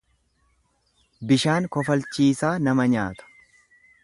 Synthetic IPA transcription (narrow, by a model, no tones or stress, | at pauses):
bɪʃaːŋkɔfɐlt͡ʃiːsaːnɐmɐɲa̰ːt̪ʊ̥